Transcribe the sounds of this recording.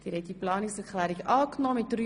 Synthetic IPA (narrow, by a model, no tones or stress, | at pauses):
d̥iːɾhɛt̚diplɑːnɪksɛɾklæːɾɪkɑːknɔːmɪt̚dry